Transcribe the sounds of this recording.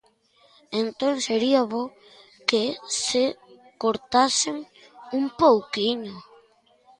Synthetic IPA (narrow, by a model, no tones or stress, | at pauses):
ent̪oŋseɾiaβo | kese | koɾt̪asɪŋ | umpowkiɲʊ